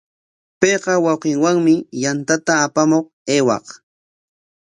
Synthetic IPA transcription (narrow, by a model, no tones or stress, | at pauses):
pejqɑwɑwqɪŋwaŋmɪjant̪at̪aːpamoq | eːwɑ̰q